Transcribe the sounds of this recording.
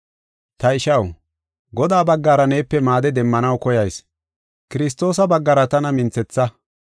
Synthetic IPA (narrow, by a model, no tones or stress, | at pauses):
t̪ɐɪʃɐw | ɡɔd̪aːbɐɡːaːɾɐne̞ːpːɛmaːd̪ɛd̪ɛmːɐnɐwkɔjɐjs | kɪɾɪst̪ːo̞ːs̬ɐbɐɡːɐɾɐt̪ɐnɐmɪnt͡sɛt͡sːɐ